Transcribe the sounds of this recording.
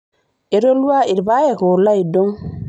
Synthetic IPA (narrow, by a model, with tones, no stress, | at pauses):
i˨ɾo˦lwa˦i˨ɾba˦je˨ko˨la˦jdɔ˦ŋ